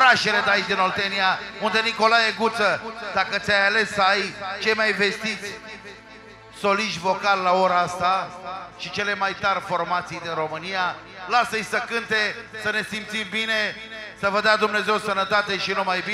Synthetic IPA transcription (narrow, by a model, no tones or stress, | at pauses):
ɾaʃe̞le̞d̪ajit͡ʃd̪ino̞lt̪eniaund̪eniko̞lajeɡut̪səd̪akət̪sʲajale̞sːəəajt͡ʃejmajve̞st̪it̪sʲ | so̞liʃvo̞kalːao̞ɾaast̪aʃit͡ʃe̞le̞majt̪arfo̞rmat̪sijd̪inro̞mɨnija | lasəsʲsəkɨnt̪e̞səne̞simt̪simbine̞ | səvəd̪ad̪umne̞ze̞wsənət̪at̪e̞ʃinumajbi